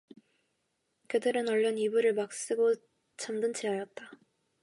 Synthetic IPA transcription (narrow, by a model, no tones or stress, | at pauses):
kɯdɯɾɯnʌɭːʌnibuɾɯɭmak̚s͈ɯɡo | t͡ɕʰamdɯnt͡ɕʰeajʌt̚t͈a